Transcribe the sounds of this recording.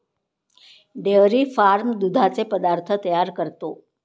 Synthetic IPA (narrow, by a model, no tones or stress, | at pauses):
ɖeɾifaɾmd̪ud̪ʱat͡sepəd̪aɾt̪ʰət̪əjaɾkəɾt̪o